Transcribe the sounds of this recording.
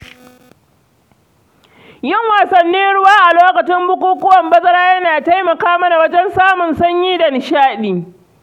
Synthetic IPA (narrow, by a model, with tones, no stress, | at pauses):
jɪ˦˨ŋwaː˨sɐ˨nːiː˦ɽʊ˦waː˦ʔa˨loː˦kɐ˨t͡ʃɪ˦mbʊ˦kʷuː˦kʊ˦wɐ˨mbɐ˦zɐ˦ɾaː˦jɐ˦naː˨ta˦jmɐ˨kaː˦mɐ˦na˨wɐ˦d͡ʒɛ˦nsaː˦mʊ˨nsɐ˦ɲjiː˦dɐ˨nɪ˨ʃaː˦ɗiː˨